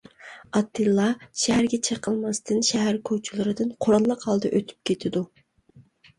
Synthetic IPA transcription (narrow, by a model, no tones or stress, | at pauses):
ɑt̪ʰːɨlˠːɑʃɛɦæɾɡʲɛt͡ʃʰeqʰəlˠmɑst̪ʰɨnʃɛɦæɾkʲʰowt͡ʃʰilˠɨɾɨd̪ɨnqʰoɾɑlˠːɑqhɑlˠd̪ɑʔøt̪ʰy̥p̚kʲʰet̪ʰɪd̪u